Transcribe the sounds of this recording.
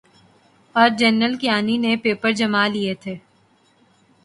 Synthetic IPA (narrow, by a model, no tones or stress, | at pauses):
ɔːɾd͡ʒɛnɾəlkijaːninepeːpəɾd͡ʒɐmaliet̪ʰeː